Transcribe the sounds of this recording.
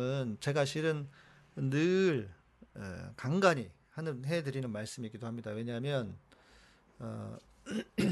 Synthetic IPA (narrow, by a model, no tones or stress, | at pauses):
ɯnt͡ɕe̞ɡaɕʰiɾɯn | nːɯɭ | ɯ̰kaŋɡaɲi | hanɯnɦe̞dɯɾinɯnmaɭs͈ɯmik͈idohamɲidawe̞ɲaɦmjʌn | ʌ